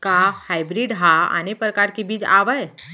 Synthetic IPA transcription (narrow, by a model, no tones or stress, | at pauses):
kahajbɾiɖɦaa̰nepɾəkaɾkibʱiːd͡za̰ʋəj